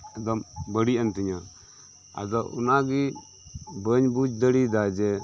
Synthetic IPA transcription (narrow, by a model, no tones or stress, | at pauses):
ɛd̪ɔmbəɽiənt̪iɲa | a̰d̪ɔṵnaɡi | bəɲbud͡ʒd̪əɽid̪ad͡ʒɛ